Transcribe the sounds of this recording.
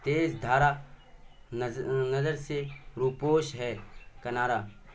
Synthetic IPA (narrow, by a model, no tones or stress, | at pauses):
t̪eːsd̪ʱaːɾa | nɐzəɾseɾuːpoːʃɦɛːkɐnaːɾaː